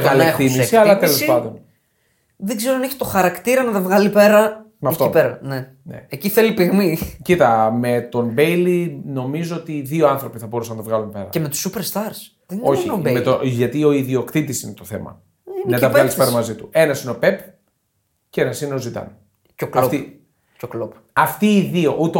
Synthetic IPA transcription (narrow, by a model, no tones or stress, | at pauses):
ɣɐlɐet̪imisiɐlɐt̪elospɐnd̪o̞n | ðeɡzeɾoɐneçi̥t̪oxɐɾɐkt̪iɾɐnɐt̪ɐvɣɐlipe̞ɾɐ | mɐft̪oeɾɐne | nḛeciθelipiɣmicit̪ɐme̞t̪o̞mbejlino̞mizoot̪iðio̞ɐnθɾo̞piθɐbo̞ɾusɐnɐt̪ɐvɣɐlunpe̞ɾɐ̰cemet̪u̥supeɾst̪ɐɾs | ðeno̞çimet̪oʝɐt̪io̞iðio̞kt̪it̪isinet̪oθe̞̰mɐ̰ | nnnɐt̪ɐvɐlispeɾɐɐmɐzit̪ue̞nɐsineo̞pep | ceenɐsineo̞zit̪ɐ̰n | coklɐt̪i | coklop | ɐft̪iːðio̞ʔut̪e